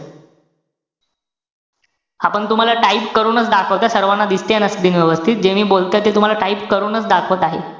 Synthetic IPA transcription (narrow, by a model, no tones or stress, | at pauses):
apəɳt̪um̤alaʈaipkəɾuːnət͡sd̪akʰəʋt̪asəɾʋanːad̪ist̪janəsd̪inʋɔʋəst̪ʰit̪̚d͡ʑeʋiːbolt̪jat̪iːlt̪um̤alaʈaipkəɾuːnət͡sd̪akʰʋət̪aɦḛ